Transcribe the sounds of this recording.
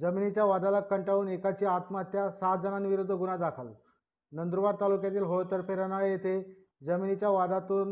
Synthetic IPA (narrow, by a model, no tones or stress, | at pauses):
d͡zəminit͡ɕjaʋad̪alakːəɳʈaʋuːnekat͡ɕiːat̪mat̪jasat̪̚d͡zənanʋiɾud̪ʱːəɡunad̪akʰəl | nənd̪ɾuʋaɾt̪alukjat̪̬iːlɦoɭt̪əɾpeɾənajet̪ʰe | d͡zəminit͡ɕjaʋad̪at̪uːn